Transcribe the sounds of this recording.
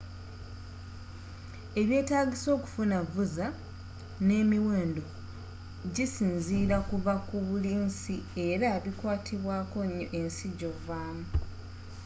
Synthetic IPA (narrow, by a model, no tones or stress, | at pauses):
e̞βje̞ːtaːɡiso̞ːku̥funavuza | ne̞ːmiwe̞ːndo̞ | ɟisiːnziːɾakuvakuβuliːnsie̞ɾaβikwaːtʰiβwaːko̞ɲːo̰ʔe̞nsiɟo̞vaːmu